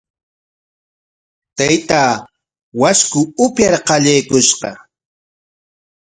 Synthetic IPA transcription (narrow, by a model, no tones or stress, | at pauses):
t̪ajt̪aː | waskʊʊpjaɾqɑʎajkʊʃqɑ